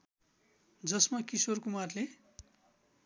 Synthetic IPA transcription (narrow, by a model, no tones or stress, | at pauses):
d͡zʌsmakisorkumarle